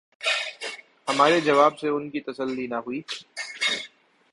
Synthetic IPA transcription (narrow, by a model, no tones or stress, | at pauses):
hɐmaːɾed͡ʒɐʋaːbseʊnkit̪ɐsəlːinaɦuiː